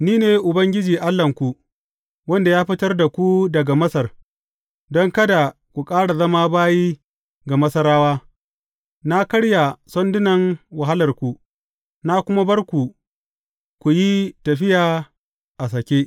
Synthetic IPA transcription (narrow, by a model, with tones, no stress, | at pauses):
niː˦neː˨ʔʊ˨bɐ˦ŋɡʲɪ˦d͡ʒiː˨ʔa˦lːɐ˨ŋkʷu˨ | wɐ˦nda˨jaː˦ɸɪ˦tɐ˦rda˨kʷu˦dɐ˨ɡa˨mɐ˦sɐ˨r | dɔ˦ŋkɐ˦da˨ | kʷu˨kʼaː˦ɽa˨zɐ˦maː˦baː˦jiː˦ | ɡa˨mɐ˦sɐ˦ɾaː˦waː˦ | na˦kɐ˦ɽja˨sɔ˦ndʊ˦nɐ˨ŋwɐ˨ɦa˦lɐ˨rkʷu˨ | na˦kʷʊ˦ma˦bɐ˦rkʷu˨ | kʷu˨ji˦tɐ˨ɸɪ˦jaː˨ | ʔa˨sɐ˨kʲeː˦ʔ